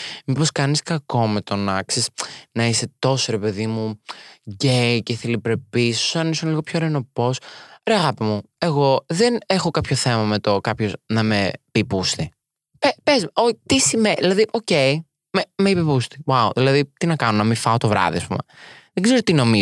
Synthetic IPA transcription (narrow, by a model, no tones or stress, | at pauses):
mipo̞skɐniskɐko̞me̞t̪o̞nɐksisnɐise̞t̪o̞soɾe̞pe̞ðimuʝece̞θilipɾe̞piso̥sɐnisonliɣopçoɾeno̞po̞soɾeɐɣɐpimu | e̞ɣo̞ðenexo̞kɐpço̞θe̞mɐmet̪okɐpço̞znɐmepipust̪i | pepezmot̪isimenðilɐðiʔo̞ce̞i | memeipipust̪i̥wauðilɐðit̪inɐkɐnonɐmifɐot̪o̞vɾɐ̰ðḭɐspṵmeðeɡze̞ɾot̪ino̞mi